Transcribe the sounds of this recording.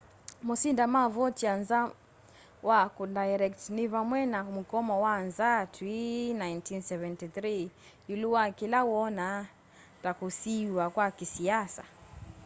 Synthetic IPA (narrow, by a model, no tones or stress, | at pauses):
mɔsindamavɔtianza | wakudajɾɛktnivamwɛnam̩kɔmɔwanzatwinajntinsɛvɛntiθɾi | juluwakilawɔna | takusiwakwakisiasa̰